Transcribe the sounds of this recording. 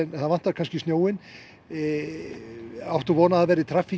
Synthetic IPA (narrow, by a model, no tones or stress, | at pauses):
ɛnθaðvant̪aɾkʰanscɪsnjoːwɪn | awht̪ɔvɔːnaðavɛɾɪt̪ʰɾaːfi